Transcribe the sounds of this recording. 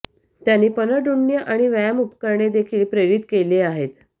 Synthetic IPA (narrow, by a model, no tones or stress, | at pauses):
t̪janːiːpənəɖuɳːjəʔaɽ̃iʋajamupkəɾɳed̪ekʰiːlpɾeɾit̪keleaɦet̪